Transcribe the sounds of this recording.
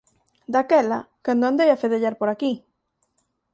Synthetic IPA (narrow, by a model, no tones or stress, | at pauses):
d̪akɛlakand̪ʊand̪ejafeð̞eʎaɾpoɾaki